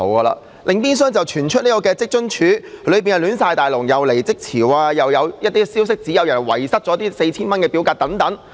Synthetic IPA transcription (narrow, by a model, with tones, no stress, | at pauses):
o˨˧wkɐː˧la̰ː˧ | lʔɪ˨ŋpiː˥ns̬œː˥ŋt͡sɐ˨wt͡ʃʰyː˨˩nt͡ʃʰɵ˥niː˥kɔː˧kɛː˧t͡sɪ˥k̚t͡ʃɵ˥ŋt͡ʃʰyː˨˥lɵ˨˧ɥp̬iː˨njɐ˨lyː˨˥nsaː˧jt̪aː˨˩jlʊ˨˩ŋjɐ˨wle˨˩jt͡sɪ˥k̚t͡sʰiː˨˩waː˧jɐ˨wjɐ˨˧wjɐ˥t̚t̪iː˥siː˥ws̬ɪ˥k̚t͡siː˨˥jɐ˨˧wjɐ˨˩nwɐ̰˨˩jsɐ˥t̚t͡sɔ˨˥t̪iː˥se˧jt͡sʰiː˥nmɐ˥nkɛː˧pi˨˥wkaː˧t̚t̪ɐ˨˥ŋt̪ɐ˨˥ŋ